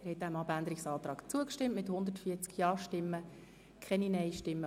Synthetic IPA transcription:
ɛɾhɛt̚d̥æmɑbændəɾɪksɑːt̪ɾɑːkt͡suəkʃtɪmtmɪthʊnd̪ətfiːt͡skjɑːʃtɪmːə | kʰɛninɛɪʃtɪmːə

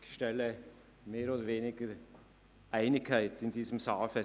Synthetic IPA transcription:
çʃtɛlə | meːɾoːdəɾveːnɪɡəɾ | ʔæɪnɪkʰːaɪtɪndiːzəmsaːlfɛ

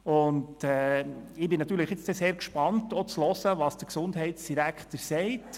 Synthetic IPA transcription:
ʊndɛɪbɪnɑt̪ːyːɾləχjɪt͡sd̥ɛseːɾkʃpɑntot͡slɔsəʋɑsd̥əɾksʊndɦɛɪtsd̥iɾækχtəɾsɛɪt

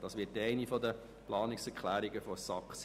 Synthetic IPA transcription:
d̥ɑsʋɪtɛɪnifɔd̪ə | plɑːnɪksɛɾkʰlæːɾɪɡəfɔsɑks

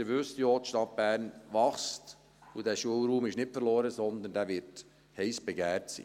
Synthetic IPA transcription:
ɪɾʋʏstjoːtʃtɑt̚b̥æːɾnʋɑχst | udæːʃuəlɾuːmɪʃnɪpfəɾloːɾəsɔnd̪əndæːʋɪɾt | hɛɪsb̥ɛɡæːɾtsḭː

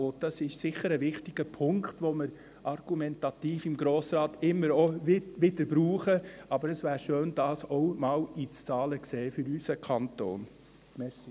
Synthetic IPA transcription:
od̥ɑsɪʃsɪχːəɾəʋɪχtiɡ̥əpʰʊŋkχtʋɔməɾ | ʔɑrɡ̥umɛntɑt̪iːfɪmɡɾoːsɾɑːtɪmːəɾoʋɪʋɪdəɾbɾuːχəʔɑbəɾəsʋæːɾʃøːnd̥ɑːsɔʊmɑːwit͡st͡sɑːləkseːfʏɾysəkʰɑnt̪o̰ːn | mɛsi

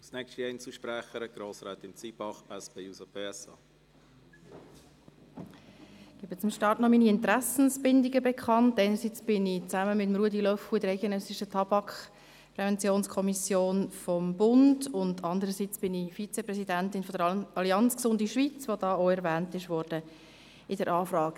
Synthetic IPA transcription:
snɛkʃtiɛɪnt͡suʃpɾæχəɾəɡ̥ɾoːsɾɛːt̪ɪnt͡siːb̥ɑχɛsb̥eːusəb̥eːɛsɑ̰ː | ɡ̥iːbət͡sʊmʃtɑːɾtnɔminiɪntɾæsn̩sb̥ɪndɪɡəbekʰχɑntæɪnəɾsit͡sb̥ɪnɪt͡sæməmɪtmɾuədilœfuɪdəɾæɪɡ̥enœsɪʃətʰɑb̥ɑkχ | pɾɛvɛnt͡sjoːnskʰɔmisjoːnfɔmbʊndʊndɑnd̪əɾəsit͡sb̥ɪnifit͡sɛprɛsidæntɪnfɔdəɾɑliɑnt͡sksʊndiʃvit͡svod̥ɑːoɛɾvæːntɪʃʋɔɾd̥ə | ɪdəɾʔɑːfɾɑːɡ

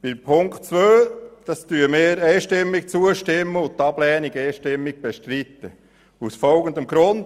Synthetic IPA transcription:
b̥ɪpʰʊŋkt͡sʋøːd̪̥ɑstyəmɪːɾɛɪʃtɪmːik̚t͡suəʃtɪmːəʊnt̪ːɑb̥lɛːniɡɛɪʃtɪmːiɡ̥̚b̥eʃtɾit̪ːə | usfɔlɡənd̪əmɡɾʊnd

